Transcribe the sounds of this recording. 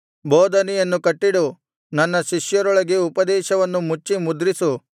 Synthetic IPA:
boːd̪ʱɐnɛjɐnːukɐʈːiɽu | nɐnːɐʃiʃjɐɾɔɭɐɡeupɐd̪ɛːʃɐʋɐnːumut͡ʃːimud̪ɾisu

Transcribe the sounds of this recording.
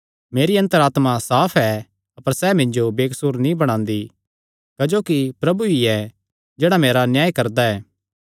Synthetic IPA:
meːɾiɐ̃nt̪əɾaːt̪masaːpʰɛ | ɐpəɾsɛmɪ̃ɲd͡ʒobeːksuːɾnĩbɐɽ̃ãːnd̪i | kɐd͡ʒoːkipɾɐbuiɛ | d͡ʒeːɽameːɾanjaːjkɐɾd̪aɛː

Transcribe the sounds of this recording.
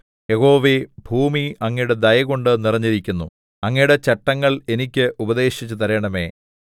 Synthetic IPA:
je̞ho̞ːʋebʱuːmiɐŋːɐjuɽe̞d̪ɐjɐɣo̞ɳɖɨnirɐɲːiɾikʲːunːu | ɐŋːɐjuɽe̞t͡ɕeʈːɐŋːɐɭe̞nikʲːɨʔubɐd̪e̞ːɕit͡ɕːut̪ɐɾeːɳɐme̞ː

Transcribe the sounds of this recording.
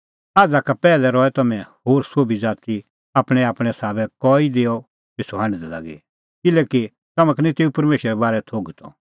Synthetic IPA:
aːd͡zakapɛːlɛɾɔɛt̪ɐmɛ̃hoːɾsoːbid͡zaːt̪i | aːpɽ̃ɛaːpɽ̃ɛ̃saːbɛkɔːid̪eːɔ | kɪsoɦãñd̪ɛla̰ɡḛ | kɪlɛːki | t̪ɐmãkɐnĩt̪eːupɐɾmeːʃɾɛbaːɾɛt̪ʰoːɡt̪ʰɔ̰̃

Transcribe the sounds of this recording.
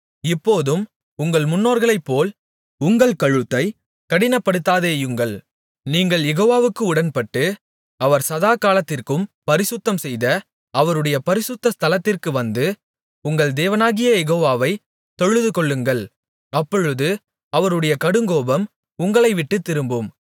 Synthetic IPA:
ɪpːoːðɯm | ʊŋɡɐɭmʊnːoːɾɣɐɭɐɪpːoːl | ʊŋɡɐɭkɐɻɯt̪ːɐɪ | kɐɽɪnɐpːɐɽɯt̪ːaːðeːjʊŋɡɐɭ | niːŋɡɐɭjɛɣoːʋaːʋɯkːɯʊɽɐnpɐʈːɯ | ɐʋɐɾsɐðaːkaːlɐt̪ːɪrkɯmpɐɾɪsʊt̪ːɐmsɛjðɐ | ɐʋɐɾɯɽɐjɐpɐɾɪsʊt̪ːɐst̪ɐlɐt̪ːɪrkɯʋɐnd̪ɯ | ʊŋɡɐɭd̪eːʋɐnaːɣɪjɐjɛɣoːʋaːʋɐɪ | t̪ɔɻɯðɯkɔɭːɯŋɡɐɭ | ɐpːɔɻɯðɯ | ɐʋɐɾɯɽɐjɐkɐɽɯŋɡoːbɐm | ʊŋɡɐɭɐɪʋɪʈːɯt̪ːɪɾɯmbɯm

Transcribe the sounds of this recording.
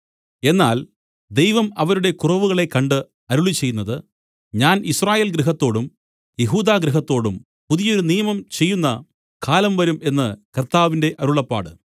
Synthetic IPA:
e̞nːaːl | d̪e̞jʋɐmɐʋɐɾuɽe̞kurɐʋuɣɐɭe̞kɐɳɖɨ | ɐɾuɭit͡ɕːe̞jːunːɐðɨ | ɲaːnisraːjeːlɡɾɨɦɐt̪ːo̞ːɽum | je̞ɦuːd̪aːɡɾɨɦɐt̪ːo̞ːɽum | puðijɐo̞ɾunijɐmɐmt͡ɕe̞jːunːɐ | kʰaːlɐmʋɐɾume̞nːɨkɐrt̪aːʋinde̞ʔɐɾuɭɐpːa̰ːɽɨ̰

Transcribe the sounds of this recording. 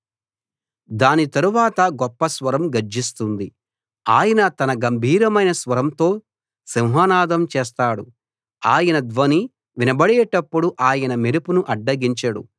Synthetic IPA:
d̪aːnit̪ɐɾuʋaːt̪ɐɡɔpːɐsʋɐɾɐmɡɐɾd͡ʒist̪und̪i | aːjɐnɐt̪ɐnɐɡɐmbʱiːɾɐmɐjnɐsʋɐɾɐmt̪o̞ː | siwɦaːnaːd̪ɐmt͡ʃeːs̬t̪aːɽu | aːjɐnɐd̪ʋɐni | ʋinɐbɐɽɛːʈɐpːuɽuʔaːjɐnɐmeɾupunuʔɐɖːɐɡiɲt͡ʃɐɽṵ

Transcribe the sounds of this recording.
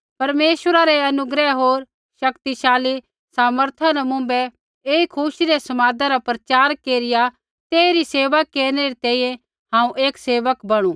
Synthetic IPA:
pɐɾmeːʃwəɾaɾɛɐnʊɡɾɛɦoːɾ | ʃɐkt̪iʃaːli | saːməɾt̪ʰanɛmʊ̃ːmbɛ | eːikʰʊʃiɾesɐmaːd̪ãɾapɾɐt͡ʃaːɾkeːɾɪja | t̪eːɾiseːʋakːeːɾñeɾit̪ɛ̃ːĩjɛ̃ | ɦãːũʔeːkseːʋəkbɐɽ̃ũː

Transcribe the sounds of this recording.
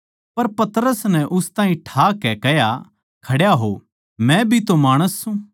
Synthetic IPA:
pɐɾpɐt̪əɾəsnɛ̃ʔʊst̪ãːĩʈʰaːkɛkɛɦja | kʰɐɽjaɦo̰ | mɛ̃bʱit̪omaːɽ̃əsːũ

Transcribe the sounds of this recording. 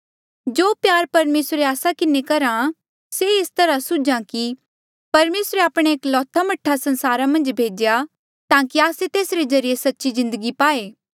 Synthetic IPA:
d͡ʒoːpjaːɾpɐɾmeːsɾeaːsakɪnekɐɾã | seɪst̪ɐɾasʊd͡ʒãki | pɐɾmeːsɾeaːpɽ̃eeːklɔːt̪ʰamɐʈʰːasɐ̃nsaːɾamɐ̃nd͡ʒbʱeːd͡ʒja | t̪ãːkiaːset̪eːsɾezɐɾijesɐtːʃizɪ̃nd̪əɡipaːeː

